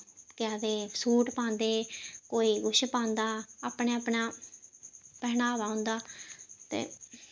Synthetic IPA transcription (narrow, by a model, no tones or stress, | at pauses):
kɪad̪eːsuːʈpãːnd̪eːkoːiːɡʊʃpãːnd̪aːaːpɳeːapɳaː | pɛːnaːʋaːõːnd̪aːt̪ḛː